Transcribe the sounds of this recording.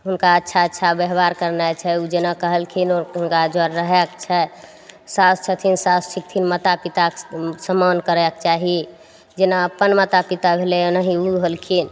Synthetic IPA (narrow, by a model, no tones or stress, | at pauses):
ɦunkaətːʃʰaətːʃʰabeɦbaɾkəɾnajt͡ʃʰɛud͡ʒenakəɦəlkʰinɦunkad͡ʒəɾːəɦɛkt͡ʃʰɛ | sast͡ʃʰət̪ʰinsast͡ʃʰik̚t̪ʰinmət̪apit̪aksəmankəɾɛkt͡ʃaɦi | d͡ʒenaəpənmət̪apit̪abʱelɛnəɦiuɦəlkʰin